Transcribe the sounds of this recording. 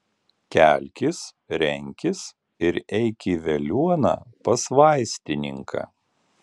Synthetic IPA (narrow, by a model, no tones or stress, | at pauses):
kʲælʲkʲɪs | ɾʲɛŋʲkʲɪs | ɪɾɛɪkʲiʋʲɛlʲuɔnɐ̰ːpɐsʋɑˑɪsʲt̪ʲɪnʲɪŋkʰɐ̰ː